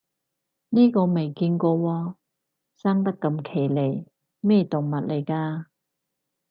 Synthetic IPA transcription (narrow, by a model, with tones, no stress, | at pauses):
niː˥kɔː˧me˨jkiː˧nkɔː˧wɔː˧ | saː˥ŋt̪ɐ˥kːɐ˧mkʰe˨˩jle˨˩j | mɛː˥˩t̪ʊ˨˩ŋmɐ˨t̚le˨˩jkaː˧